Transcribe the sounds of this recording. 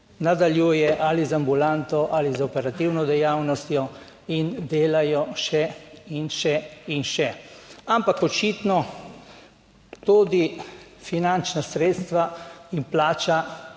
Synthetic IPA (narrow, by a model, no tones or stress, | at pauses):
nad̪aljuːjɛʔalizambulant̪ɔʔalizɔpɛɾat̪iwnɔd̪ɛjawnɔst̪jɔ | ind̪eːlajɔʃɛinʃɛinʃɛampakɔt͡ʃit̪nɔ | t̪uːd̪ifinant͡ʃnasɾeːt̪st̪ʋaimplaːt͡ʃa